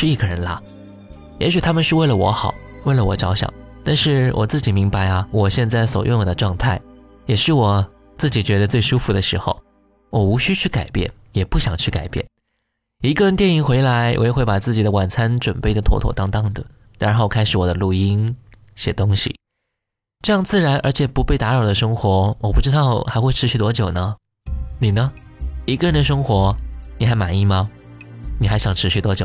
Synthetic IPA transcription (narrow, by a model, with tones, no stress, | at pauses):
ʂɻ̩˥˧i˥˩ɡə˧ɻə˧˥nla˧ | jɛ̰˧˥ɕy˨˩t̪ʰa˥mə˨nʂɻ̩˥˧we˥˩ɪlə˩wɔ̰˧˥xɑ˨˩˦ʊwe˥˩ɪlə˩wɔ˨˩ʈ͡ʂɑ˧˥ʊɕjɑ̰˨˩˦ŋt̪a˥˧nʂɻ̩˥˩wʔɔ̰˨˩t͡sɹ̩˥˩t͡ɕi˨˩mi˧˥ŋpa˧ɪɐ˩wɔ˨˩ɕjɛ˥˧nt͡sa˥˩ɪswɔ̰˨˩jʔʊ̰˥˩ŋwɔ˨˩d̪ə˦ʈ͡ʂwɑ˥˧ŋt̪ʰa˥˩ɪ | jɛ˨˩ʂɻ̩˥˩wɔ˨˩ | t͡sɹ̩˥˩t͡ɕi˨˩t͡ɕɥɛ˧˥d̪ə˧t͡swe˥˩ɪʂu˥fu˨˩d̪ə˩ʂɻ̩˧˥xo˧ʊ | wɔ˨˩u˧˥ɕy˥t͡ɕʰy˥˩ka˨˩ɪpjɛ̰˥˩n | jɛ˨˩pu˥˩ɕjɑ˨˩ŋt͡ɕʰy˥˩ka˨˩ɪpjɛ̰˥˩n | i˧˥ɡə˧ɻə˧nt̪jɛ˥˩ni˧˩ŋxwe˧˥ɪla˧˥ɪwʔḛ˧˥ɪ˥xwe˥˩ɪpa˨˩t͡sɹ̩˥˩t͡ɕi˨˩d̪ə˦wa˨˩nt͡sʰa˥nʈ͡ʂwə˨˩npe˥˩ɪd̪ə˩t̪ʰwɔ̰˧˥t̪ʰɔ̰˥˩t̪ɑ˥ŋt̪ɑ˥˧ŋd̪ə˩ | na˧˥xo˥˧˩ʊkʰa˥ɪʂɻ̩˨˩wɔ˨d̪ə˦lu˥˩i˥n | ɕjɛ˨˩t̪ʊ˥ŋɕḭ˨ | ʈ͡ʂɤ˥˧jɑ˥˧ŋt͡sɹ̩˥˩ɻa˧˥nʔə˞˧˥t͡ɕʰjɛ˨˩pu˧˥pe˥˩ɪt̪a˧˥ɻɑ˨˩ʊd̪ə˦ʂɤ˥ŋxwɔ˧˥wʔɔ˨˩pu˥˩ʈ͡ʂɻ̩˥t̪ɑ˥˩ʊxa˧˥ɪxwe˥˩ɪʈ͡ʂʰɻ̩˧˥ɕy˥˩t̪wɔ˥t͡ɕjo˨˩ʊnə˦ | ni˨˩nə˦i˧˥ɡə˧ɻə˧˥nd̪ə˧ʂ̬ɤ˥ŋxwɔ˧˥ni˨˩xa˧˥ɪma˨˩ni˥˩mɐ˩ | ni˨˩xa˧˥ɪɕjɑ˨˩ŋʈ͡ʂʰɻ̩˧˥ɕy˥˩t̪wɔ˥t͡ɕjo˨˩˦ʊ